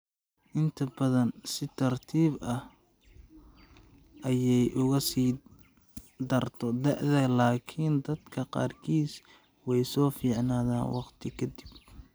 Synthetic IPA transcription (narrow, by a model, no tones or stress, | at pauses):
ʔɪnt̪ʰɐbɐðɐnsɪt̪ʰɐrt̪ʰiːbɐh | ʔɐjɛjʔʊɣɐsiː | d̪ɐrt̪ʰɔd̪ɛʕðɛlaːkʰind̪ɐd̪kʰɐqɑ̰ːrkʰiːs | wɛjsɔːfiːʕnaːða̰ːnwɑqt̪ʰɪkʰɐd̪ib